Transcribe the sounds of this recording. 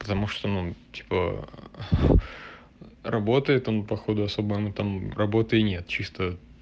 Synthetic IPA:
pə̥t̪ɐmuʂt̪onutʲi̥pə̰ | rɐbo̞t̪əjɪt̪onpɐxo̞d̪ʊɐso̞bəjmut̪amrɐbo̞t̪ɨɪnʲet̪̚t͡ɕist̪ə

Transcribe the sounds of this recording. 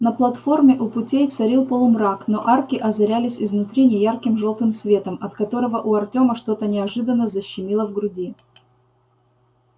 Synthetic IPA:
nəplˠɐt̪fo̞rmʲɪʔʊpʊtʲejfsɐɾʲilˠpo̞lˠmrakno̞ʔarkʲɪʔɐzɐɾʲælʲɪsʲɪzvnʊt̪ɾʲinʲɪjarkʲɪmʐo̞lˠt̪ɨmsvʲe̞t̪əmɐt̪kɐt̪o̞ɾəvəʔʊɐrtʲo̞məʂt̪o̞t̪ənʲɪɐʐɨd̪ənːəzəɕːɪmʲilˠəvɡɾʊdʲi

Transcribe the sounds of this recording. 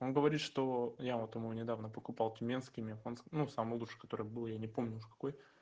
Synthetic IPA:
onɡəvɐɾʲit̪ʂt̪ojavot̪ɪmunʲɪd̪avnəpəkʊpɑlˠt̪ʲʊmʲenskʲɪmʲefonsknusamɨjlˠut͡ʂʂɨ̥kɐt̪o̞ɾɨjbɨlˠəjanʲɪpo̞mnʲʊuʂkɐ̥ko̞j

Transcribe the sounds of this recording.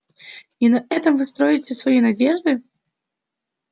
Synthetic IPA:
inɐɛt̪əmvɨst̪ɾo̞jɪtʲɪsvɐjinɐdʲeʐd̪ɨ

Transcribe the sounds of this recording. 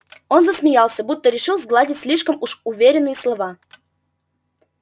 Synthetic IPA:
onzəsmʲɪjɑlˠsʲəbut̪ːəɾʲɪʂɨlˠzɡlˠadʲɪtʲsʲlʲiʂkəmuʂuvʲeɾʲɪnːɨjəslˠɐvɑ

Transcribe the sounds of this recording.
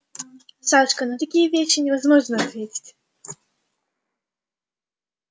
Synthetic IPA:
saʂkənɐt̪ɐkʲijəvʲeɕːɪnʲɪvɐzmɔʐnəɐt̪vʲetʲɪ̥tʲ

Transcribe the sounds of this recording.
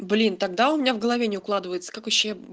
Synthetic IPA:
blʲint̪ɐɡ̚d̪aʊmʲɪnʲavɡəlˠɐvʲenʲɪʊklˠad̪ɨvəjɪt̪sə̥kakvɐɕːe

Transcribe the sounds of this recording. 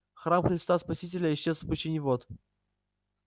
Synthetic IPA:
xramxɾʲɪst̪aspɐsʲitʲɪlʲəɪɕːezˠpət͡ɕɪnʲɪvot̪

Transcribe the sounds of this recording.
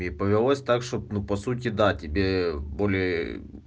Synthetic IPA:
ɪːpəvʲɪlˠosʲt̪akʂt̪op̚nupɐsut̬ʲɪd̪atʲɪbʲebo̞lʲɪjə

